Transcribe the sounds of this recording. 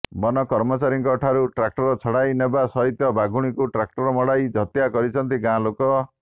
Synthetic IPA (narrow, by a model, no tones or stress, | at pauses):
bɔnɔkɔɾmɔt͡ʃaɾiŋkɔʈʰaɾuʈɾak̚ʈɔɾɔt͡ʃʰɔɽajnebasɔɦit̪jɔbaɡuɽ̃ikuʈɾak̚ʈɔɾɔmɔɽajd͡ʒʱɔt̪jakɔɾit͡ʃʰɔnt̪iɡãlokɔ